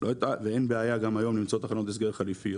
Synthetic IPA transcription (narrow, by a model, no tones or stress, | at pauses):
lot̪aveenbeajaɡamajo̞mnimt͡saot̪aχanot̪es̬ɡeʁχalifi